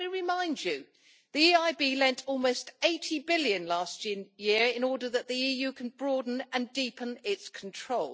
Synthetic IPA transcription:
iɹɪmãɪ̃nd͡ʒɨ | ðiiaɪbiːlɛ̃ntʰɔlˠməʊsteɪtʰibɪljə̃nlɑˑstjɪəɹɪ̃nɔːdəðəʔðiiːjʉːkʰə̃nbɹɔːdⁿn̩ə̃ndiˑpʰə̃nɪtskʰən̩tʰɹ̥oʊl

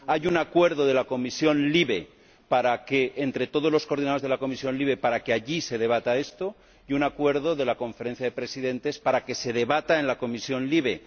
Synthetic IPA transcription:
ajunakwe̞ɾðo̞ð̞e̞lako̞misjo̞nliβe̞ | paɾakeʔːnt̪ɾe̞t̪o̞ð̞olo̞sko̞ɾð̞inaðozðelako̞misjo̞nliβ̞e̞paɾakeaʝise̞ðe̞β̞at̪ae̞st̪o̞ | junakwe̞ɾðo̞ðe̞lako̞ɱfe̞ɾen̟θjaðe̞pɾe̞siðẽ̞nt̪e̞spaɾake̞se̞ðe̞βat̪ae̞nlako̞misjo̞nliβ̞e̞

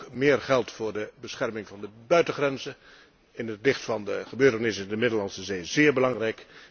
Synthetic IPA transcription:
mɪːrχɛlˠtfʊːɹdəbəsχɛrmɪŋvɑndəbœɥtəχrɛnzə | ɪnətlɪχtfɑndəχəbøːtənɪsndəmɪdəlɑnsəzeːzɪːɹbəlɑŋrɛjk

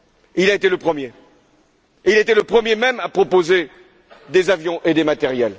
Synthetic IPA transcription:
ilaet̪eləpχəmje | eilet̪eləpχəmjemɛmapχɔpoze | d̪ezavjɔ̃ʔed̪emat̪ɛʁjɛl

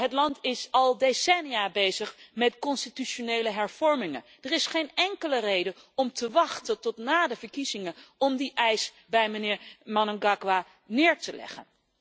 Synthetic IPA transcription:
ɦətlɑntɪsɑlˠdesɛnijaːbejzəχmɛtkɔnstityʃonejləɦɛɹv̥ɔɹmɪŋə̰nd̥ərɪsχejnɛŋkələrejdə | ɔmtəʋɑχtəntɔtnaːdəvəɹkizɪŋəɔmdiʔɛjs | bɛjmənɪːɹmɑnəɡɑkʋaː | nɪːɹtəlɛ̰χə̰n

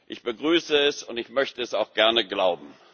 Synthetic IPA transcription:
ʔɪçb̥əɡʁyːsəɛsʊntɪçmœçtəɛsaʊxɡ̥ɛɐnəɡlaʊbm̩

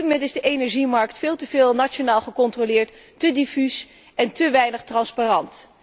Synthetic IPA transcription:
mɛntɪzdəʔejnɛɹʒimɑɹk̚tfɪːlˠtəvɪːlˠnaonaːlˠχəkɔntrolɪːɹtː | ədifys | ɛntəʋɛjnəχtrɑnsparɑnt

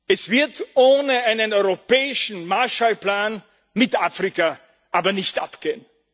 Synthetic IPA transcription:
ʔɛsv̥ɪɐtʔoːnəaɪnənɔʏʁopɛːɪʃn̩maɐʃalpl̥aːn | mɪtʔaːfʁ̥ika | ʔaːbɐnɪçtʔa̰pɡ̥eːən

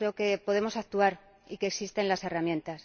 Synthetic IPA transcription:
ɾe̞oke̞po̞ð̞e̞mo̞sak̚t̪uaɾ | ikeksist̪e̞nlase̞ramjent̪as

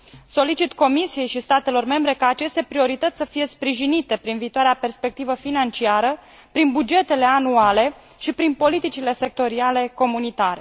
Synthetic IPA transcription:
so̞lit͡ʃit̪ko̞misije̞jʃist̪at̪e̞lo̞rme̞mbɾe̞kaːt͡ʃe̞st̪e̞pɾio̞ɾit̪ət̪sʲsəfije̞spɾiʒinit̪e̞pɾinviːt̪oaɾeape̞rspe̞k̚t̪ivəfinant͡ʃiaɾə | pɾinbud͡ʒe̞t̪e̞le̞anuale̞ | ʃipɾinpo̞lit̪it͡ʃile̞se̞k̚t̪o̞ɾiale̞ko̞munit̪aɾe̞

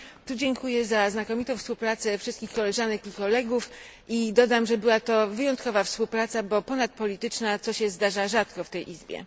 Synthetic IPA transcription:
t̪ud͡ʑɛŋkujɛzaznakɔmʲit̪ɔ̃w̃fspuwpɾat̪sɛfʂɨst̪kʲixkɔlɛʐanɛkikɔlɛɡuf | id̪ɔd̪amʐɛbɘwat̪ɔvɘjɔnt̪̚kɔvafspuwpɾat̪sabɔpɔnat̪̚pɔlʲit̪ɘt͡ʂnat̪sɔɕɛzd̪aʐaʐat̪kɔft̪ɛjʔizbʲjɛ̰

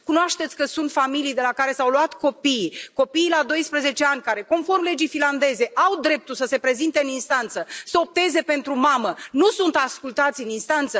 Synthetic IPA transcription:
kunoaʃt̪et̪sʲkəsunt̪familijd̪e̞lakaɾe̞sawluat̪ko̞pijko̞piːlad̪o̞jspɾəze̞t͡ʃe̞anʲkaɾe̞ko̞nfo̞rmle̞d͡ʒijfinland̪e̞ze̞ʔawd̪ɾe̞p̚t̪ulsəse̞pɾe̞zint̪e̞ɨninst̪ant̪səsəo̞p̚t̪e̞ze̞pe̞nt̪ɾumamənusunt̪askult̪at̪sʲɨninst̪ant̪sə

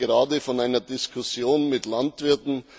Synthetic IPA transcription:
əʁaːdəfɔnaɪnɐdɪskʰʊsjoːnmɪtlantv̥ɪɐtn̩

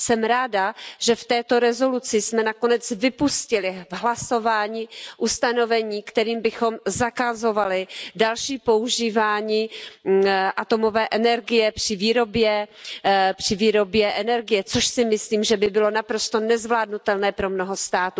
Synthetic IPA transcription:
sɛmɾaːdaʒɛft̪ɛːt̪o̞ɾɛzo̞lut͡sɪsmɛnakonɛt͡svɪpuscɪlɪvɦlaso̞vaːɲiːʔust̪ano̞vɛɲiːkt̪ɛɾiːmbɪxo̞mzakazo̞valɪdalʃiːpo̞uʒiːvaːɲiː | ʔat̪o̞mo̞vɛːʔɛnɛɾɡɪjɛpr̥ɪviːɾo̞bjɛ | pr̥ɪviːɾo̞bjɛʔɛnɛɾɡɪjɛt͡soʃsɪmɪsliːmʒɛbɪbɪlo̞napɾo̞st̪o̞nɛzvlaːdnut̪ɛlnɛːpɾo̞mno̞ɦo̞st̪aːt̪u

